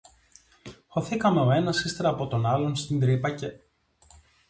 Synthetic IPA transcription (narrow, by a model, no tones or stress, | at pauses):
xo̞θikɐme̞o̞e̞nɐsist̪e̞ɾɐːpo̞t̪o̞nɐlo̞nst̪ind̪ɾipɐce̞